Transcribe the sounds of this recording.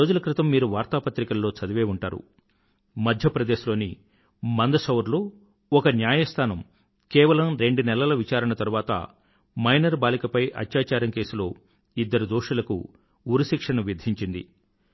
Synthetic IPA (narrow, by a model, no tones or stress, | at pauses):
oːd͡ʒulɐkɾit̪ɐmːiːɾuʋaːɾt̪aːpɐt̪ɾikɐlːo̞ːt͡ʃɐd̪ɐʋeːuɳʈaːɾṵ | mɐd̪ʱjɐpɾɐd̪eːʃulo̞ːni | mɐnd̪ɐsɐʋɐɾloː | ɔkɐnjaːjɐst̪ʰaːnɐm | kɛːʋɐlɐmɾe̞ɳɖunɛlɐlɐʋit͡ʃaːɾɐɳɐt̪ɐɾuʋaːt̪ɐ̰ | mɐjnɐɾbaːlikɐpɐjʔɐ̰t̪jaːt͡ʃaːɾɐŋke̞ːsulo̞ː | id̪ːɐɾud̪oːʂɐlɐkṵ | uɾɐʃikʂɐnɐʋid̪ʱiɲt͡ʃind̪ḭ